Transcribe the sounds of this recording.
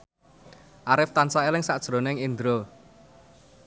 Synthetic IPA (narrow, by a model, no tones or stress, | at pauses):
ʔaɾɪft̪ansaelɪŋsaʔd̥ʒ̥ɾo̤nɪŋind̪ɾo